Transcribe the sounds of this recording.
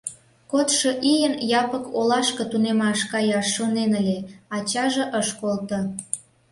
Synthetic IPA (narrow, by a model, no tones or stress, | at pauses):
kot̪ʃoʔijənjɑpəkolɑʃkə̆t̪unemɑʃkɑjɑʃːonenəlʲeɑt͡ɕɑʒeʔəʃkolt̪o